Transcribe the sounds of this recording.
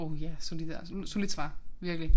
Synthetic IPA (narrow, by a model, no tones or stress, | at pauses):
oʊjæsolid̥solid̥sʋɑ̈ːʋiɐɡ̥əli